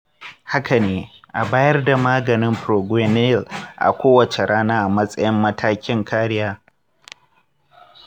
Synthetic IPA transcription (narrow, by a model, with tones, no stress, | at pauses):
ha˦ka˨neː˨ | ʔa˨baː˦jɐ˦rda˨maː˦ɡɐ˨nɪ˦mpɾoː˨ɡʷwe˦ne˦˨lʔa̰˨kʷoː˦wɐ˨t͡ʃe˨ɽaː˦naː˦ʔa˨mɐ˦sʼɐ˦jɪ˦mːɐ˦tʰaː˦kʲɪ˦ŋkʰaː˦ɽɪ˦jaː˦